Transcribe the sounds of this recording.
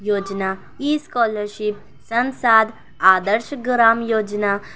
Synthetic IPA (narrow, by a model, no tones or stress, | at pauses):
jod͡ʑna | iskɔləɾɕip̚ | sə̃nsad̪ | ad̪əɾɕəɡɾamjod͡ʑna